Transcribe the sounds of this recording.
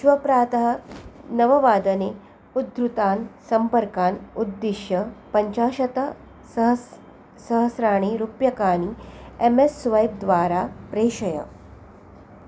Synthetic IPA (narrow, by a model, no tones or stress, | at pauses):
ʃʋɐpɾaːt̪ɐɦɐnɐʋɐʋaːd̪ɐne | ud̪ɾut̪aːnsɐmpɐɾkaːnud̪ːiʃjɐpɐɲt͡ʃaːʃɐt̪ɐ | ɦ | sɐɦɐsɾaːɳ̃iɾupjɐkaːniemesːʋɐjb̚d̪ʋaːɾaːpɾeːʃɐjɐ̰